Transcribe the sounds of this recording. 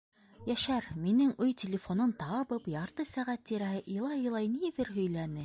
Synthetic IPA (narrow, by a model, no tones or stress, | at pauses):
jæʃæɾminɘŋɵjt̪ʲɪlʲɪfonont̪ɑβɤpjɑɾt̪ɤsæʁæt̪ːiɾæhɘʔilˠɑjɤ̆lˠɑjniðɘɾɦɵ̆jlænɘ